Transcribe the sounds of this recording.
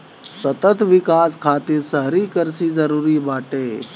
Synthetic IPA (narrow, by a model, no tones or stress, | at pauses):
sɐt̪ət̪ʋɪkaːskʰaːt̪iːɾsəɦɾiːkəɾsid͡zɐɾuːɾiːbaːʈeː